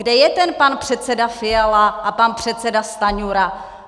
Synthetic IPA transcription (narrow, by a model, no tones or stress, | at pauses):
ɡdɛjɛt̪ɛnpanpr̥ɛt̪t͡sɛdafɪjalaʔapanpr̝̥ɛt̪sɛdast̪aɲuɾa